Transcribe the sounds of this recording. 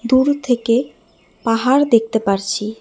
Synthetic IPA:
d̪uɾt̪ʰeke | paɦaɾd̪ek̚t̪epaɾt͡ɕʰi

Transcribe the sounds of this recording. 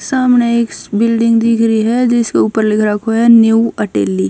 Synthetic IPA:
saːmneeːkbɪlɖɪ̃ŋɡd̪ɪkʰɾəɦiɦɛd͡ʒɪskeuːpəɾlɪkʰɾakʰoɦɛnjuuɐʈeːlːiː

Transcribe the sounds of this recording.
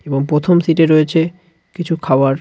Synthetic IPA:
eboŋpɾot̪ʰomsiʈeɾojet͡ɕʰe | kit͡ɕʰukʰaoaɾ

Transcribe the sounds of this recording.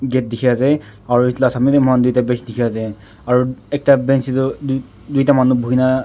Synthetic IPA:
ɡɛt̚dikʰɛasɛ | aɹuitlasamitmandujtabɛ̃nsdikʰɛasɛ | aɹuɛk̚tabɛnsitʊ | dujtamanubʱuɦina

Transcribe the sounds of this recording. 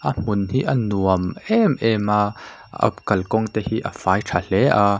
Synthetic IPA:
ʔɐm̥ʊnhiʔɐnuəmɛmʔɛma | ɐ̰pkɐlkɔŋt̪ɛhiʔɐ̰faːjʈʰal̥ɛʔa

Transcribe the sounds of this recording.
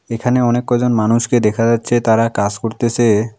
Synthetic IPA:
ekʰaneɔnekːɔd͡ʑonmanuʃked̪ɛkʰad͡ʑat̪ːɕʰet̪aɾakad͡ʑkoɾt̪et͡ɕe

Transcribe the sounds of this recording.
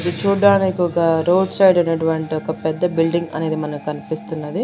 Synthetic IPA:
d̪it͡ʃuːɽːaːnikuɡaɾowɖsɐjɖɐnːɐʈuʋɐɳʈiɔkɐpɛd̪ːɐbilɖiŋɡɐ̰ne̞ːd̪imɐnɐmkɐnipist̪unːɐd̪i

